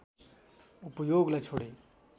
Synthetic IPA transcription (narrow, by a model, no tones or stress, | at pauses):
upjoːɡlajt͡ʃʰoɽe